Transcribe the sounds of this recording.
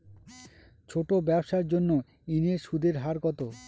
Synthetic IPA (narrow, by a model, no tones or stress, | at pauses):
t͡ɕʰoʈobɛbʃaɾd͡ʑonːo | ineɾʃud̪ʱeɾɦaɾɡɔt̪o